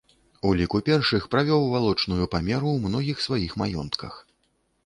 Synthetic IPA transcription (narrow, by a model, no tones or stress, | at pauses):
ulʲikupʲɛrʂɨxpɾavʲɔwvalˠɔt͡ʂnujupamʲɛɾuwmnɔɣʲixsvajixmajɔ̰nt̪kʰɐ̰x